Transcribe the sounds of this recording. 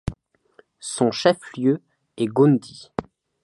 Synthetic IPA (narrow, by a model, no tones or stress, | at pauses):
sɔ̃ʃɛfljø | ɛɡund̪i